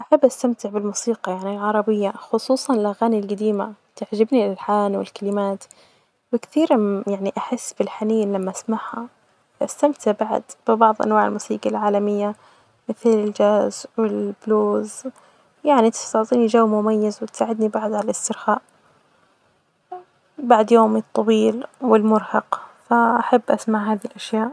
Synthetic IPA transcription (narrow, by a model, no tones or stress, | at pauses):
ʔaħabːʔast̪amt̪ɪʕbɪlmuːsiːqɑjaʕnilʕɑɾˤɑbɪjːaxʊsˤuːsˤɑnɪlʔaɣaːnilɡad̪iːma̰t̪aʕd͡ʒabnialħaːnwɪ̰lkalɪmaːt̪ | wɪkθiːɾjaʕniʔaħɪsːfilħaniːnlamːaʔasmaʕha̰ | fʔast̪amt̪ɪʕbaʕ̰d̪b̥ɪbɑʕðˤʔa̰nwaːʕɪ̰lmuːsiːɡɑlʕaːlamɪjːa | mɪθlɪld͡ʒaːzwɪlb̥loːz | jaʕnit̪ɪ̥st̪ɑʕt̪ˤiːnid͡ʒawːmʊmajːazwɪt̪saːʕɪd̪nibaʕd̪ʕalalɪst̪ɪɾxaːʔ | baʕd̪joːmɨt̪ˤːɑwiːlwɪlmʊɾhɑqfaʔaħabːʔasmaʕɦaːðilʔaʃjaːʔ